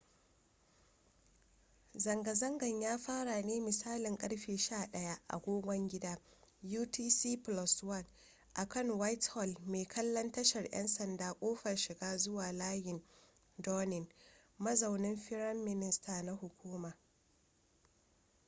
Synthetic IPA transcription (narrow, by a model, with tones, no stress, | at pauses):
zɐ˨ŋɡɐ˨zɐ˦ŋɡɐ˨ɲjaː˦ɸaː˦ɽa˨neː˦mɪ˨saː˦lɪ˨ŋkʼɐ˦ɽɸeː˨ʃaː˦˨ɗɐ˦ja˦ʔa̰˨ɡʷoː˦ɡʷɐ˦ŋɡʲɪ˦daː˦juː˦tiː˦siː˦plɔ˨swɐ˦˨n | ʔa˨kɐ˦˨ŋwa˦jthɔ˨lmeː˨kʰɐ˦lːɐ˦ntɐ˦ʃɐ˨rjɛ̰˦nsɐ˨ndaː˨˦kʷʼoː˦ɸɐ˨rʃɪ˨ɡaː˦zʊ˦waː˨laː˦jɪ˨n | dɔː˦nɪ˨n | mɐ˦zɐ˨wnɪ˦mɸɪ˦ɽɐ˦mːɪ˦nɪ˦staː˨na˦hʊ˨kʷuː˦maː˨